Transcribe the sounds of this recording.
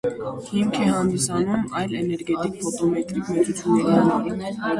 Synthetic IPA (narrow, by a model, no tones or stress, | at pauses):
himkʰɛhɑnd̪isɑnumɑjlɛnɛɾɡɛt̪ikfɔt̪ɔmɛt̪ɾikmɛut͡sʰjunːɛɾimɛl